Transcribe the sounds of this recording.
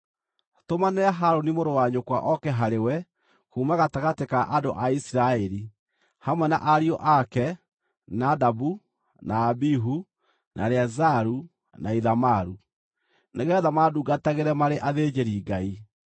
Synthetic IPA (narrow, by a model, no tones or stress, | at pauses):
tomanɛaɦaɾonimoɾowaɲokwa̰ʔɔkɛɦaɾewɛ | kuːmaɣataɣatekaʔado̰ʔaisiɾaɛɾi | hamwɛna̰ʔaɾiɔʔakɛ | nadabu | naːbiɦu | nʔa̰ɾeazaɾu | naiðamaɾu | neɣɛðamaduɡataɣeɾɛmaɾeʔaðeːd͡ʒeɾiɡai